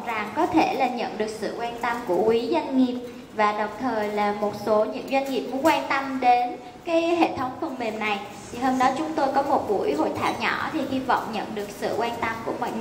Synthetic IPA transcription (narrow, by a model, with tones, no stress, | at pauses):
za˨˩ŋkɔ˨˦t̪ʰe˧˩laː˨˩ɲə̰˧˨nɗɨ˨˩ək̚sɨ̰˧˨kwaː˧nt̪ə˧mku˧˩əkwi˨˦zwa˧jŋŋi˨˩əp̚ | vaː˨˩ɗə˨˩wŋ͡mt̪ʰəː˨˩jlaː˨˩mo˨˩t̚so˨˦ɲɨ̰˧˥ŋzwa˧jŋŋi˨˩p̚mu˨˦kwaː˧nt̪ə˧mɗe˨˦n | kaː˨˦jhḛ˧˨t̪ʰə˨˦wŋ͡mfə˨˧˩ŋ͡mme˨˩mna˨˩j | t̪ʰi˨˩hoː˧mɗɔ˨˦t͡ɕʊ˨˦ŋ͡mt̪o˧jkɔ˨˦mo˨˩t̚ɓṵ˧˩əjɦo̰˧˨jt̪ʰaː˧˩˨wɲɔ̰˧˩t̪ʰi˨˩hi˧vɔ̰˧˨wŋ͡mɲə̰˧˨nɗɨ˨˩ək̚sɨ̰˧˨kwaː˧nt̪ə˧mku˧˩əmɔ̰˧˨